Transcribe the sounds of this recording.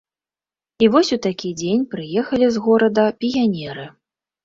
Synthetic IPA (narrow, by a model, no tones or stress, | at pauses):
ivɔsʲut̪akʲid͡zʲenʲpɾɨjɛxɐlʲizɣɔɾɐd̪ɐpʲijanʲɛɾɨ